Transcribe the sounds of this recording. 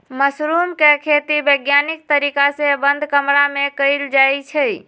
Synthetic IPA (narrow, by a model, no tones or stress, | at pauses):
məsɾumkekʰet̪ibəjɡjanik̚t̪əɾikasẽbənd̪ʱkəmɾamekəɪld͡ʒajt͡ʃʰəj